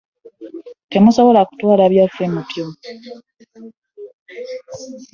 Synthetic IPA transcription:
te̞muso̞βo̞laku̥twaːlaːβjafe̞mupjo

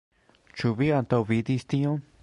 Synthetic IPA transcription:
t͡ʃuβiant̪oβid̪ist̪ĩõ

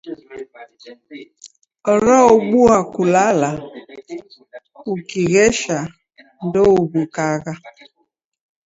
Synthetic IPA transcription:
ɔɾɔoɡ͡buakulala | ukiɣeʃa | n̩doubukaɣa

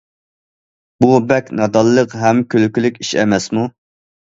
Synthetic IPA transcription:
bubɛkʲnɑd̪ɑlˠːəqɦɛmkʲʰølkʲylykʲiʃɛ̰mɛsmu

